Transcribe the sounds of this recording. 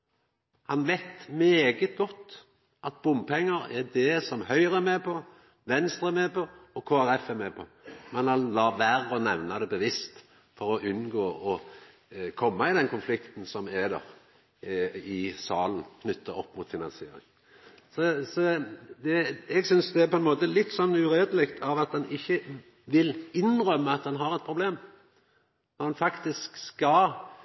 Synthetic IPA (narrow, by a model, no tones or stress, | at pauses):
hɑnʋɛɪt̪meːɡət̪̚ɡɔt̪ː | ʔɑt̪̚bʊmpʰɛŋːəɾɛd̪ɛsɔmhœʏʁəɛɾmeːpʰɔ | ʋɛnst̪ʁəɛmeːpʰɔɔkʰoːæɾɛfɛɾmeːpʰɔmɛnhɑnlɑːʋæʁɔnɛʋnɑd̪ɛbəʋɪst̪ | fɔɾɔʔʉnɡoːɔ | kʰɔmːɑɪd̪ɛnkʰʊnflɪkt̪n̩sɔmɛd̪ɛ̰ʁ | ɪsɑːln̩kʰnʏt̪ʰːəɔpːmʊt̪fɪnɑnsɪḛːɾɪ̰ŋ | sɔsɔd̪ɛɛɡsʏnsd̪ɛæɾpʰɔɛnmoːt̪əlɪt̪ːsɔnːʉɾeːd̪əlɪkt̪ʰɑʋɑt̪̚d̪ɛnɪçːə | ʋɪlɪnʁœmːəɑt̪̚d̪ɛnɦɑʁɛt̪̚pʰɾʊbleːm | nɔɾd̪ɛnfɑkt̪ɪskskɑ